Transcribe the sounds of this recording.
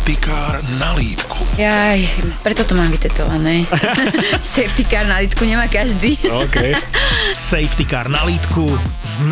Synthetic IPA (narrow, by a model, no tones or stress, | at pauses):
t̪ikaːɾnaliːt̪kʰu̥jajpɾɛt̪ɔt̪ɔmaːmʋit̪ɛt̪ɔ̰ʋanɛː | sɛjft̪ikaːɾnaliːt̪kuɲɛmaːkaʒd̪iːokɛ | sɛjft̪ikaːɾnaliːt̪ku | zn